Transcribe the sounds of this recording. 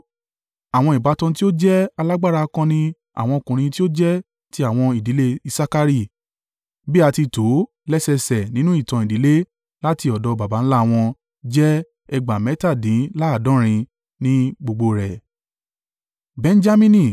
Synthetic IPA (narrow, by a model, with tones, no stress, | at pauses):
a˨w̃ɔ̃˧i˨ba˨˦tɔ̃˧t̬i˦o˦d͡ʒɛ˦a˧la˦ɡ͡ba˦ɾa˧kã˧nĩ˦ | a̰˨w̃ɔ̃˧o˧˨kũ˨ɾ̃ĩ˧ti˦o˦d͡ʒɛ˦ | ti˦a˦˨w̃ɔ̃˧i˨di˨˦le˦i˧sa˦ka˧ɾi˦˨ | bi˦a˧ti˧to˨˦ | lɛ˦sɛ˧sɛ˨nĩ˦nũ˦i˦˨tã˨i˨di˨˦le˦ | la˦ti˧ɔ˨dɔ˨˧ba˨ba˨˦n̩˦la˦˨w̃ɔ̃˧ | d͡ʒɛ˦ | ɛ˧ɡ͡ba˨mɛ˨˦ta˦˨dĩ˨˦la˦˨dɔ̃˦ɾ̃ĩ˧ | nĩ˦ɡ͡bo˧ɡ͡bo˧ɾɛ˨ | bɛ̃˨˧n̩˦d͡ʒa˦mĩ˦nĩ˦˧